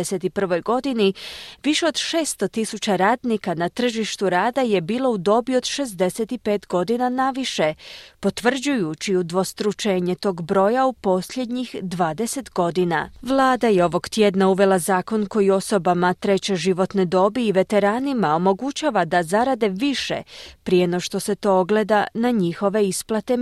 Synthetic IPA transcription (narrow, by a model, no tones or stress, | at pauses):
eset̪ipr̩ʋo̞jɡo̞d̪iniʋiʃeo̞d̪ʃeːst̪o̞t̪isut͡ɕaɾaːd̪nikanat̪r̩ʒiʃt̪uɾaːd̪aje̞biːlˠo̞ud̪o̞bio̞d̪̥ʃe̞zd̪e̞set̪ipe̞ːt̪ɡo̞d̪inanaʋiʃe̞po̞t̪ʋr̩d͡ʒujut͡ɕiud̪ʋo̞st̪ɾut͡ʃe̞ːɲet̪o̞ːɡbɾo̞ːjaupo̞sʎʲe̞d̪ɲixd̪ʋaːd̪e̞se̞t̪ɡo̞d̪ina̰ʋlˠaːd̪ajeo̞ʋo̞ɡt̪je̞d̪nauʋe̞lˠazaːko̞nko̞jio̞so̞bamat̪ɾe̞t͡ɕe̞ʒiʋo̞t̪ned̪o̞biːʋe̞t̪e̞ɾaːnimao̞mo̞ɡut͡ɕaʋad̪azaɾad̪e̞ʋiʃḛpɾijenoʃt̪o̞se̞t̪o̞oɡle̞d̪anaɲixo̞ʋe̞isplˠat̪e̞